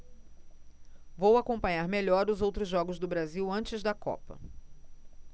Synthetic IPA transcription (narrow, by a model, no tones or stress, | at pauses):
vowakõpɐ̃ɲaɾmeʎɔɾʊzowt̪ɾʊzʒɔɡʊzd̪ʊbɾaziwɐ̃nt͡ʃɪzd̪ɐkɔ̰pɐ̰